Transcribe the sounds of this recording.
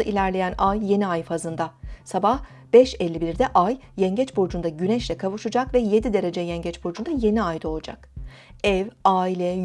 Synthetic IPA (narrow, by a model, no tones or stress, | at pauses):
aʔilʲæɾlʲe̞jænajːe̞niajfazɯnd̪asabah | b̥ɛʃɛlʲːibiɾd̪ɛʔajːɛɲɟɛt͡ʃboɾd͡ʒund̪aɟynɛʃlʲɛkʰavuʃɯd͡ʒakvɛje̞d̪id̪e̞ɾe̞d͡ʒɛjɛɲɟɛt͡ʃboɾd͡ʒund̪aje̞niajd̪aolˠud͡ʒa̰k | ɛvaːilʲɛ